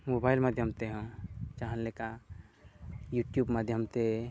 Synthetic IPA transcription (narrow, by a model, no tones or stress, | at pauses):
mobaːɪlmad̪ʱjəmt̪eɦə̃t͡ʃaɦə̃nleka | juʈjuːbmad̪ʱjəmt̪e